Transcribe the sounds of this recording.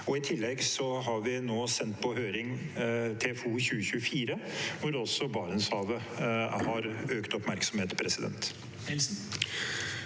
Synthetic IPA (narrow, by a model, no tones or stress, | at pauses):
ɔɪt̪ʰɪlːɛɡsɔɦɑɾʋɪnoːsɛnt̪pʰɔɦøːɾɪŋt̪ʰeːfuːəçʉːəçʉːəfiːɾəʋʊɾɔsɔbɑːɳənsɑːʋə | hɑɾøːkt̪ɔpmæɾksɔmheːt̪pʰɾɛsɪd̪ɛ̰nt̪ | ɛls